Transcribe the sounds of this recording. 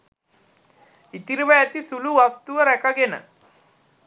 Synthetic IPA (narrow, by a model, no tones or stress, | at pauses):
it̪iɾiʋəæt̪isuluʋast̪uʋəɾɛkaɡenə̰